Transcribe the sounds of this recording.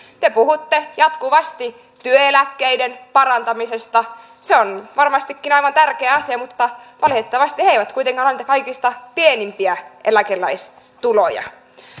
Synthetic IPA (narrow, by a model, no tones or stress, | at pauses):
t̪epuhut̪ːejɑt̪kuʋɑst̪i | t̪yøelækːeidenpɑrɑnt̪ɑmisest̪ɑ | seonʋɑrmɑst̪ikːinɑiʋɑnt̪ærkeæɑsiɑmut̪ːɑʋɑlhet̪ːɑʋɑst̪iheiʋæt̪kuit̪eŋkɑːnolnit̪ɑkɑikist̪ɑpienimpiæʔelækelːæis | t̪ulojɑ̰